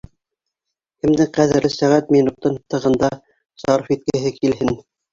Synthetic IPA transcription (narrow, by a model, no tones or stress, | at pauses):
kɘ̆md̪ɘŋqæðɘ̆ɾlɘsæʁæt̪̚minuq̚t̪ɤnt̪ɤ̆ʁɤ̆nd̪ɑ | zɑɾfit̪̚kɘ̆ɦɘkilɦɘn